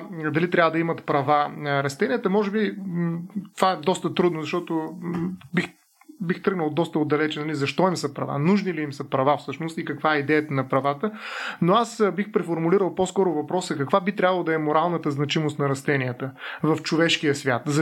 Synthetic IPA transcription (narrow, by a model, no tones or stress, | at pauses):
d̪ɐlit̪ɾʲabəd̪ɐimɐt̪pɾɐvanəɾɐst̪ɛnijət̪əmɔʒɛbi | t̪ovaɛd̪ɔst̪ət̪ɾud̪nʊzɐʃt̪ɔt̪o | bix | bixt̪ɾɤɡnəlˠd̪ɔst̪əod̪ɐlɛt͡ʃɛnɐlizɐʃt̪ɔimsəpɾɐva̰nuʒniliimsəpɾɐvafsɤʃnost̪ikɐkvaɛid̪ɛjət̪ənɐpɾɐvat̪ənoasbixpɾɛfoɾmuliɾəlˠpɔskɔɾʊvɐpɾɔsəkɐkvabit̪ɾʲabəlˠəd̪ɐɛmʊɾalˠnət̪əznɐt͡ʃimʊst̪nɐɾɐst̪ɛniət̪əvɐft͡ʃovɛʃkijəsvʲjat̪zɐ